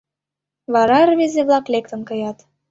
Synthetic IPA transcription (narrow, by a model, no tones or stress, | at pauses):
βɑɾɑrβezeβlˠɑklek̚t̪ə̆nkɤ̆jɑt̪